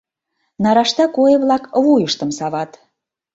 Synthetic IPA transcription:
nɑɾɑʃt̪ɑkojɤ̆βlɑkvujəʃt̪ə̆msɑβɑt̪

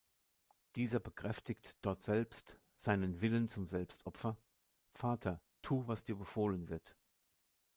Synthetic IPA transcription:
d̥iːzɐbəkʁ̥ɛftɪktd̥ɔɐtz̥ɛlpst | z̥aɪnənvɪlənt͡sʊmzɛlpstʔɔpfɐ | faːtʰɐ | tʰuːvasd̥iːɐbəfoːlənvɪɐt

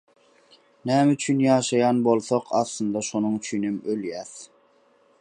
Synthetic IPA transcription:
næːmyt͡ʃʰynjɑːʃɑjɑnbolˠθoqʰɑslˠɯnd̪ɑʃonuŋyt͡ʃʰynymøljæːθ

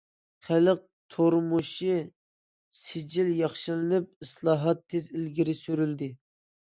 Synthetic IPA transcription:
χæləq̚t̪ʰoɾmuʃi | sɪd͡ʒiljɑχʃɨlɨnɨp̚ɨslˠɑːɦɑt̪ʰːezɪlɡʲiɾɪsyɾyld̪ɪ

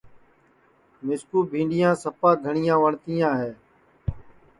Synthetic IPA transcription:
mɪskuːbʱĩːɳɖɪjãːsəpãːɡʱəɳɪjãːʋəɳt̪iːjãːɦeː

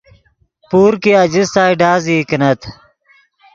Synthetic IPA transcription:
puːɾkiɐd͡ʑist̪aːiɖaːziːknɐt̪ʰ

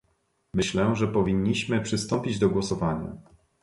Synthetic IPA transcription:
mɘɕlɛʐɛpɔvʲiɲːiɕmɘpʂɘst̪ɔmpʲid͡ʑd̪ɔɡwɔsɔvaɲa̰

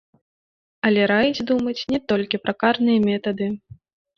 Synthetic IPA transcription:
ɐlʲɛɾajid͡zʲd̪umɐt͡sʲnʲɛt̪ɔlʲkʲipɾɐkarnɨjɐmʲɛt̪ɐd̪ɨ

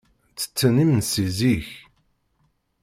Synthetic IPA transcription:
t͡sːə̥t͡sːənimnsiziç

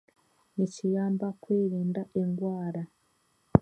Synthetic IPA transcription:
nicijaːmbakweːɾiːndae̞ŋɡwaːɾa

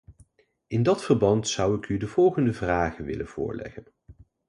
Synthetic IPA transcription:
ɪndɑtfəɹbɑntsʌwɪkydəvɔlˠχəndəvraːχəʋɪ̰lənv̥ʊ̰ːɹlɛ̰χən

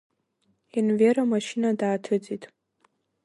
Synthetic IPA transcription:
inveɾamaʃinadaːtʰɨd͡zʼitʼ

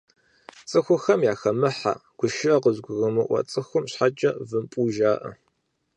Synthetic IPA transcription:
t͡sʼɨxʷʊxɐmjaːxɐmɨħa̰ɡ̥ʷʊʃɪʔɐqəzɡʷʊɣɐmɨʔʷɐ̰t͡sʼɨxʷʊmɕħat͡ʃʼɐvɨmpʼuːʒaːʔɐ̰

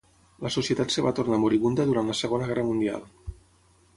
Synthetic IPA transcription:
ləsusiət̪at̪səβat̪ornamuɾiβund̪əðuɾanləsəɣonəɣɛrəmund̪ia̰lˠ

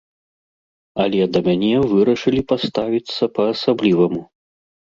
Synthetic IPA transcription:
ɐlʲɛd̪ɐmʲanʲɛvɨɾɐʂɨlʲipast̪avʲit̪sːɐpɐːsablʲivɐmu

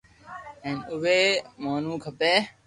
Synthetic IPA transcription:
enʊʋeːmaːnũːkʰɐpeː

